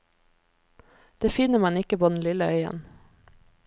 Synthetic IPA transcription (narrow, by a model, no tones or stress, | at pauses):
d̪̥eːfɪnəmɑnɪkəpʰoːd̪n̩lɪləœʏə̰n